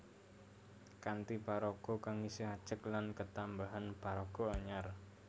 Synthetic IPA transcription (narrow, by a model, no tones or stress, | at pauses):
kant̪ipaɾɔɡ̥ɔ̤kaŋisəɦad̥ʒ̥əklankət̪ambaɦanpaɾɔɡ̥ɔ̤aɲar